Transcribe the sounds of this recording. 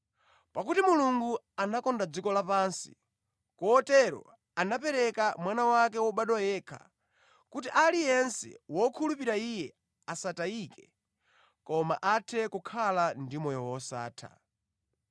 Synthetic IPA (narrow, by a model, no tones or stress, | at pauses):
pakutimuluŋɡu | anakɔndad͡zikɔlapaːnsḭ | kɔɔtɛɾɔ̰ | anapɛɾɛkamwanawak̬ɛwɔɓaɗwɔjɛkʰa̰ | kutiʔalijɛnsɛ̰wɔkʰulupiɾaijɛ | asataikɛ | kɔma̰ʔatʰɛkukʰalandimɔjɔwɔsa̰ːtʰa̰